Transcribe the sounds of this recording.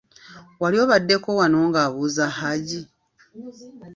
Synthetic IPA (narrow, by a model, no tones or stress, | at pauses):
waljo̞ːβadːe̞ko̞wano̞ːŋɡaːβuːzahaɟi